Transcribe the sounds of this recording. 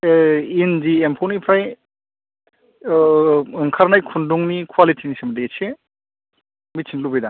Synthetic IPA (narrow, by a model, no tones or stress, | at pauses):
inziempʰonipʰɾaj | ɯŋkʰaɾnajkʰunduŋnikʰwalitʰinisemdet͡ʃe | mit͡ʃʰinlubejda